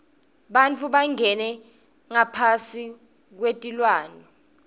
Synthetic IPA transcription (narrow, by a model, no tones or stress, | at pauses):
ɓant͡fʰuɓaŋɛnɛ | ŋapʰasi | k̬wetʼilwaːnɛ